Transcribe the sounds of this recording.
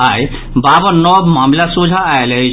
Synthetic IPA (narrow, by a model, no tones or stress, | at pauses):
aj | babɔnɔbmamlasud͡ʒʱaːeləɦi